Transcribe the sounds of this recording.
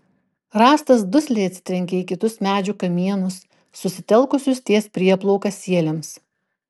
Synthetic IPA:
ɾɑːst̪ɐsd̪ʊsʲlʲɛɪɐt̪sʲɪ̥t̪ʲɾʲɛŋʲkʲɛiːkʲɪt̪ʊsmʲæːd͡ʒʲʊkɐmʲiɛnʊsː | ʊsʲɪt̪ʲɛlˠkʊsʲʊst̪ʲiɛspʲɾʲiɛplˠɔʊkɐsʲiɛlʲɛms

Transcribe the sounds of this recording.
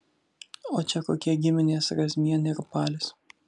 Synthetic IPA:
oːt͡ʃʲɛkoːkʲiɛɡʲɪmʲɪnʲeːsɾɐzʲmʲiɛnʲɐɾpɑːlʲɪs

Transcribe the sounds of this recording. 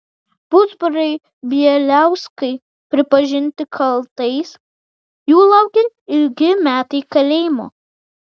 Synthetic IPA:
pʊd̪zbʊɾɐɪ | bʲiɛlʲæˑʊskɐɪ | pʲɾʲɪpɐʒʲɪnʲt̪ʲɪkʰɐlˠt̪ɐɪs | juːlˠɐʊɡʲɪɾ | ɪlʲɡʲɪmʲæːt̪ɐɪkɐlʲeːmo̰ː

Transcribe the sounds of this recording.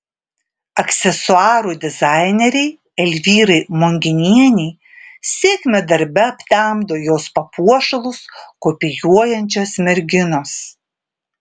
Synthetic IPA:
ɐksʲɛsʊɑːɾuːd̪ʲɪzɑɪnʲɛɾʲɛɪ | ɛlʲʋʲiːɾɐɪmoŋʲɡʲɪnʲiɛnʲɛɪ | sʲeːkʲmʲɛd̪ɐɾʲbʲɛɐpʲt̪ʲæˑmd̪oːjoːspɐpuɔʃɐlˠʊskoːpʲɪjuɔjɛnʲt͡ʃʲoːsmʲɛɾʲɡʲɪnoːs

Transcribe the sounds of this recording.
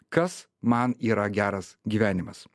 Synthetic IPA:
kɐs | mɐniːɾɐɡʲæːɾɐsɡʲiːʋʲæːnʲɪmɐs

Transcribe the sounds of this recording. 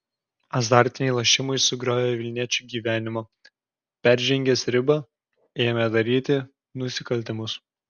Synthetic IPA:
ɐzd̪ɑˑɾʲt̪ʲɪnʲɛɪlˠɐʃʲɪmɐɪsʊɡɾʲoːjʲɛʋʲɪlʲnʲiɛt͡ʃʲuːɡʲiːʋʲæːnʲɪmo | pʲæˑɾʲʒʲɛŋʲɡʲɛsɾʲɪbɐ | eːjɛmʲɛd̪ɐɾʲiːt̪ʲɪ | nʊsʲɪkɐlʲˑt̪ʲɪmʊs

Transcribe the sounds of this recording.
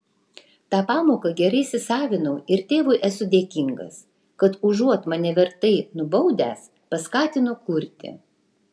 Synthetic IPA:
t̪ɑːpɑːmoːkɐɡʲɛɾɐɪsʲɪsɑːʋʲɪnɐʊɪɾt̪ʲeːʋʊɪʔɛsʊd̪ʲeːkʲɪŋɡɐ̰s | kɐt̪ʊʒuɔt̪mɐnʲɛʋʲɛɾt̪ɐɪnʊbɐʊd̪ʲæːs | pɐskɑːt̪ʲɪnʊkʊɾʲt̪ʲɪ̰

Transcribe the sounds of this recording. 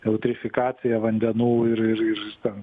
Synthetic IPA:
ɛʊt̪ʲɾʲɪfʲɪkɑːsʲɪjɛʋɐnʲd̪ʲɛnuːɪɾɪɾɪɾt̪ʲɛn

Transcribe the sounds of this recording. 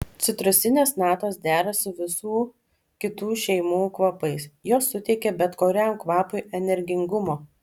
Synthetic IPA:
t̪sʲɪt̪ɾʊst̪ʲɪnʲeːsnɑːt̪oːsd̪ʲæːɾɐsʊʋʲɪsuː | kʲɪt̪uːʃʲɛɪmuːkʋɐpɐɪsjoːsːʊt̪ʲɛɪkʲɛbʲɛt̪koːɾʲæːmkʋɑːpʊɪɛnʲɛɾʲɡʲɪŋɡʊmoː

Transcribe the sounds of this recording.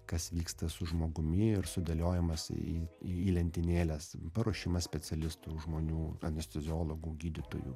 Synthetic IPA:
kɐsʋʲiːkst̪ɐsʊʒmoːɡʊmʲɪɪɾsʊd̪ʲɐlʲoːjɪmɐsḭːiiːlʲɛnʲt̪ʲɪnʲeːlʲɛspɐɾoːʃʲimɐsʲpʲɛt͡s̪ʲɛlʲɪst̪uːʒmoːnʲuːɐnʲɛsʲt̪ʲɐzʲɪoːlˠoɡuːɡʲiːd̪ʲɪt̪o̰ːjṵ

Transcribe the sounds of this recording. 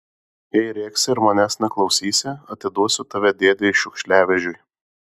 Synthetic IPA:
jɛɪɾʲeːksʲɪɪɾmɐnʲæːsnʲɛklˠɒʊsʲiːsʲɪɐt̪ʲɪd̪uɔsʲʊt̪ɐʋʲɛd̪ʲeːd̪ʲɪɪʃʲʊkʃʲlʲæːʋʲɛʒʲʊj

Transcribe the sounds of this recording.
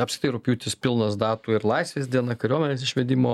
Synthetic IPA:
ɐpʲsʲɪt̪ʲiːɾʊpʲjuːt̪ʲɪspʲɪlˠnɐsd̪ɑːt̪uːɪɾlˠɐɪsʲʋʲeːsʲd̪ʲiɛnɐkɐɾʲoɔmʲɛnʲeːs̬ɪʃʲʋʲɛd̪ʲɪmoː

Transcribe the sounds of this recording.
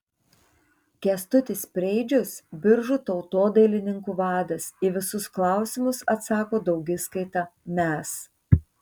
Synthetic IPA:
kʲɛst̪ʊt̪ʲɪspʲɾʲɛɪd͡ʒʲʊsbʲɪɾʒʊt̪ɒʊt̪oːd̪ɐɪlʲɪnʲɪŋkuːʋɑːd̪ɐsɪʋʲɪsʊsklˠɑˑʊsʲɪmʊsɐt̪sɑːkoːd̪ɒʊɡʲɪskɐɪt̪ɑmʲɛs

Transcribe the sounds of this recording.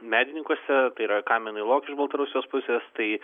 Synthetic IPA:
mʲæːd̪ʲɪnʲɪŋkusʲɛt̪ɐɪiɾɐkɑːmʲɛnʊɪlˠoːkʲɪʒbɐlˠt̪ɐɾʊsʲɪjʲoːspʊsʲeːst̪ɐɪ

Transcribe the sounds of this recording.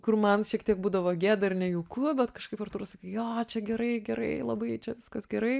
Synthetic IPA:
kʊrmɐnʃʲiɛkt̪ʲiɛk̚buːd̪ɐʋoːɡʲeːd̪ɐɪrnʲɛjukʊbʲɛt̪kɐʃkɐɪpɐrt̪uːɾʊsɐkʲɐɪjoːt͡ʃʲɛɡʲɛɾɐɪɡʲɛɾɐ̰ɪlˠɐbɐɪt͡ʃʲɛʋʲɪskɐsɡʲɛɾɐɪ

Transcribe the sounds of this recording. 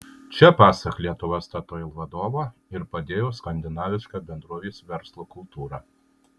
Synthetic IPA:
t͡ʃʲɛpɑːsɐklʲiɛt̪ʊʋoːst̪ɐt̪oːɪlˠʋɐd̪oːʋoːɪɾpɐd̪ʲeːjoːskɐnʲd̪ʲɪnɑːʋʲɪʃkɑbʲɛnd̪ɾuɔʋʲeːsʋʲɛɾslˠoːkʊlˠt̪uːɾɑː

